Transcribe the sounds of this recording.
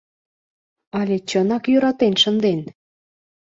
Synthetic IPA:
ɑlʲet͡ɕənɑkjøɾɑt̪enʃənd̪en

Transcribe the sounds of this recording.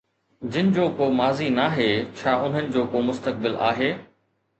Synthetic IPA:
d͡ʑɪnɪ̆d͡ʑoːkoːmaːzinaːɦeːt͡ɕʰaːʔʊn̤ənɪ̆d͡ʑoːkoːmʊst̪ək̚bɪla̰ːɦeː

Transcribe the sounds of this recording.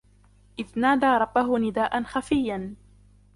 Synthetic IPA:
ʔɪðnaːd̪aːɾˤɑbːaɦʊnɪd̪aːʔanxafɪjːan

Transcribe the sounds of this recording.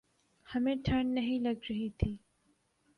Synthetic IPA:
hɐmẽːʈʰəɳnɐɦĩlɐɡɾɐɦit̪ʰiː

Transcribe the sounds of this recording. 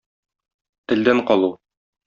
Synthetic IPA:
t̪ɘ̆ld̪æɴqɒlˠu

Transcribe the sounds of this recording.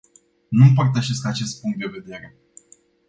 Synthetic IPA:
nump̬art̪əʃe̞skaːt͡ʃe̞st̪̚puŋkt̪̚d̪e̞ve̞d̪e̞ɾe̞

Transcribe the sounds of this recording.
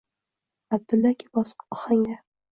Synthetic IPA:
ab̚d̪ɪlːakʲʰibɒsqɒχaŋa

